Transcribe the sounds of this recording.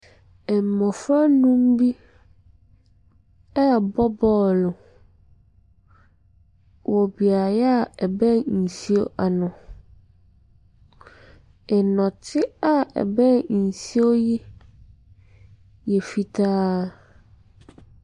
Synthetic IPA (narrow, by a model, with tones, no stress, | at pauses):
ɛ˨m˨mɔ̃˨fɾa˦nũ˦m˦bi˦ | ɛ˦˨bɔ˦bɔ˦lʊ˨ | wʔɔ˨bi˨a˨ja˦˨ɛ˨bɛ̃˦˨n̩˨si˦o˦ʔa˨nʊ̃˨ | ɛ˨nɔ̃˨tʰɪ˦a˦ɛ̰˨bɛ̃˦˨n̩˨si˦o˦ji˦ | jɛ˨fi˨tʰaː˦